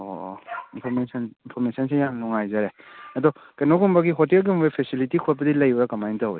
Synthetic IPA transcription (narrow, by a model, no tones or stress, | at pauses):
ɔ̰inpʰɔɾmesɐninpʰɔɾmesʰɐnsʰejamnɔŋajzaɾeɐdɔ | kenɔɡumbaɡiɦɔtiaɡumbapʰesilitikʰot̚bɐdilɐjuɾakɐmajntaɦo̰j